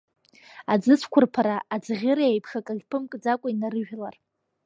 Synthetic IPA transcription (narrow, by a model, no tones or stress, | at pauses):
ad͡zɨt͡sʷʰkʷʰʊrpʰaɾaʔːd͡zʁʲɪɾajejpʰχakʼaɡʲpʰɨmkʼd͡zakʷʼainaɾɨʒᶣlar